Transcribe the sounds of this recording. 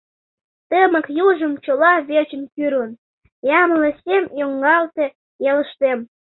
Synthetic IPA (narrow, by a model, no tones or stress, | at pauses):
t̪əməkjuʒəmt͡ɕolɑβet͡ɕə̆nkyɾun | jɑmələ̆sʲemjoŋɡɑlt̪ĕ | jeləʃt̪em